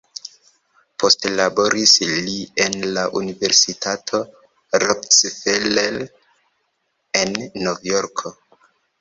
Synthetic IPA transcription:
pʰo̞stlabo̞ɾislienlaʔunive̞ɾsitʰatʰo̞ | ɾoksfelel | enːovjoɾkʰo

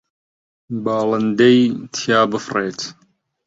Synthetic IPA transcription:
baːlɐnd̪ejt̪ʰjaːbɨfreːt̪

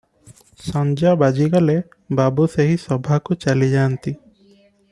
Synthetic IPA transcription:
sand͡ʒabad͡ʒikalɛ | babuseɦisɔbʱakut͡ʃalid͡ʒant̪i

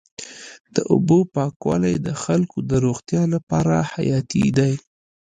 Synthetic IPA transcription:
d̪̥əʔʊ̰bopɑkwɑ̰lajd̪əxalkod̪əɾoɣt̪jɑlapɑɾaha̰jɑt̪ḭd̪aj

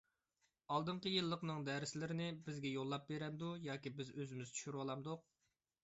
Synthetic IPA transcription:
ɑlˠd̪ɨɴqəjɨlˠːəqnɨŋd̪ɛɾɪslɪɾɪnɪbɪzɡʲɛjolˠːɑp̚beɾɛmd̪ujɑːkʲibɪzøzɪmɪzt͡ʃ̪ʰy̥ʃyɾwɑlˠɑmd̪ʊq̚

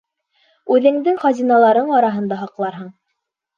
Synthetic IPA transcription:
ʉðɘ̆ŋd̪ɘŋχɑzʲinɑlˠɑɾɤɴɑɾɑɦɤ̆nd̪ɑɦɑqlˠɑɾɦɤɴ

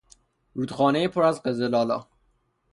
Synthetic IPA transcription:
ɾuːd̪̥xɒːnejepʰoɾæzɢezelɒːlɒ̰ː

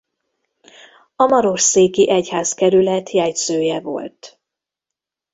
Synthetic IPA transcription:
ɒmɒɾo̞ʃseːkiʔɛchaːskɛɾylɛt̪ʰjɛjt̪søːjɛvo̞̰lt̪

